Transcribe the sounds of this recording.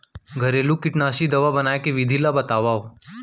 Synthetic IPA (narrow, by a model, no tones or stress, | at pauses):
ɡʱəɾelũkɪʈnaːʃid̪ɐʋabɐnaːjkeʋɪd̪ʱilabɐt̪aːʋaːo